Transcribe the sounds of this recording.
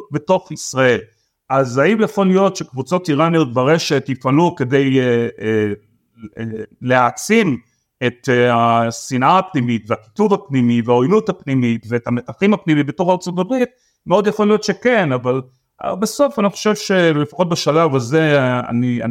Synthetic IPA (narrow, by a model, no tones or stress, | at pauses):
beto̞χisʁae̞l | ʔazaimjafolijo̞tʃekvut͡so̞tiʁanijotvaʁeʃetifanuke̞de̞je | leat͡sim | e̞tasinʔaapnimitveaki̥tuvhapnimiveaojluthapnimitveːtametaχimapnimibeto̞χaʁt͡sootabʁit̚ | meodjafolijo̞tʃe̞kenaval̰ | beso̞faniχo̞̥ʃevʃe̞lefḁχo̞t̚beʃalavazea̰nia̰